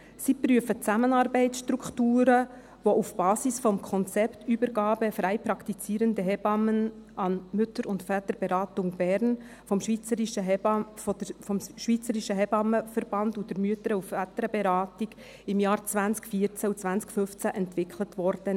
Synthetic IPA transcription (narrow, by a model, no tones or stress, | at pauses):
sipɾyəfət͡sæmənɑːɾbɛɪtsʃtɾukχtuːɾə | ʋɔʔufb̥ɑːsisfɔmkʰɔnt͡sɛptybəɾɡɑːbəfɾæɪpɾɑkt̪it͡siːɾəndəɦɛbɑmənʔɑnmʏtəɾʊndfæt̪əɾbɛɾɑːtʊŋb̥ɛːɾn | fɔmʃʋiːt͡səɾiʃə | əfɔmʃʋit͡səɾiʃəɦɛbɑməfəɾb̥ɑndud̥əɾmyətəɾəuffætəɾəbɛɾɑːtiɡ̥ | ɪmjɑːɾt͡svænskfiːəɾt͡sæut͡sv̥ænskfɵft͡sæʔɛntʋɪkʰlətʋɔɾd̥ə